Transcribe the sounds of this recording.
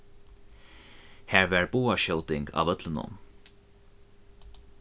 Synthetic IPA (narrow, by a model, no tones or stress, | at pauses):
hæːɹvæːɹboːaʃœwt̪ɪŋɡɑ̰ːʋœt̪lənʊ̰n